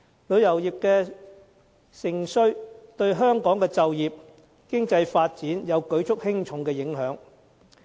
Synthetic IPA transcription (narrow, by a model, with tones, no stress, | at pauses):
lɵ˨˧˥ɥjɐ˨˩wjiː˨p̚kɛː˧ | sɪ˨˩ŋsɵ˧ɥt̪ɵ˧ɥɦœː˥ŋkɔː˨˥ŋkɛː˧t͡sɐ˨wjiː˨p̚ | kɪ˥ŋt͡sɐ˧jfaː˧t̚t͡siː˨˥njɐ˨˧wkɵ˨˥ɥt͡ʃʰʊ˥k̚hɪ˥ŋt͡ʃʰʊ˨˧˥ŋkɛː˧jɪ˨˥ŋɦœː˨˥ŋ